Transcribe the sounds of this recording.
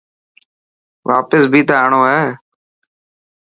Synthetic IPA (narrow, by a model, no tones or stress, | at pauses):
ʋʔa̰ːpəsbʱiːt̪aaːɳoːɦɛː